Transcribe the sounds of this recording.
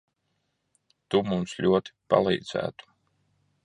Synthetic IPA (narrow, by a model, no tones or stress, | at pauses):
t̪umumslʲuɔt̪i̥pa̰lˠḭːd̪zæ̰ːt̪u̥